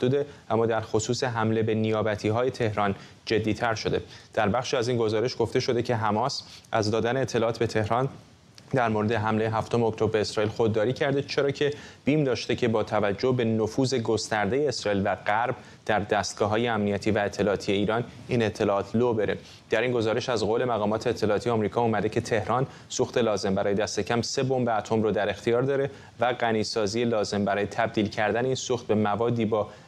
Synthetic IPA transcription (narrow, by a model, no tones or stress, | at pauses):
æhd̪uːd̪e̞ʔæmːɒːd̪æɾxo̞suːseɦæmle̞be̞nijɒːbæt̪ʰiːɦɒːje̞t̪ʰe̞hɾɒn | d͡ʒe̞d̪ːiːt̪ʰæɾʃo̞d̪e̞d̪̥æɾbæχʃiːæzinɡo̞zɒːɾe̞ʃɡ̥o̞ft̪e̞ʃo̞d̪e̞cʰe̞ɦæmɒːsʔæzd̪ɒːd̪æneːt̪ʰːe̞lɒːt̪be̞t̪ʰe̞hɾɒn | d̪æɾmoɾe̞d̪e̞ɦæmlejeɦæft̪o̞meoct̪ʰo̞bɾeːsɾɒːilxo̞d̪ːɒːɾiːcʰæɾd̪et͡ʃʰe̞ɾɒːcʰe̞b̥iːmd̪ɒːʃt̪e̞cʰe̞bɒːt̪ʰævæd͡ʒːo̞be̞nofuːze̞ɡo̞st̪æɾd̪e̞jeːsɾɒːiːlvæɢæɾb̚ | d̪̥æɾd̪æst̪̚ɡ̥ɒːɦɒːjeæmnijæt̪ʰiːvæet̪ʰːe̞lɒːt̪ʰije̞iːɾɒːn | iːne̞t̪ʰːe̞lɒɒːt̪ʰloːbe̞ɾʔe | d̪̥æɾinɡo̞zɒːɾe̞ʃæzɣole̞mæɣɒːmɒːt̪ʰeːt̪ʰːe̞lɒːt̪ijeɒmɾiːkʰɒːuːmæd̪e̞cʰe̞t̪ʰe̞hɾɒːn | suxt̪e̞lɒːze̞mbæɾɒːje̞d̪æst̪e̞cʰæmse̞bo̞mbeæt̪ʰo̞mɾoːd̪æɾe̞xt̪ʰijɒːɾd̪ɒːɾe̞ | væɣæniːsɒːziːelɒːze̞mbæɾɒːje̞t̪ʰæb̚d̪iːlcʰæɾd̪æneiːnsuːxt̪̚be̞mævɒːd̪ːiːbɒː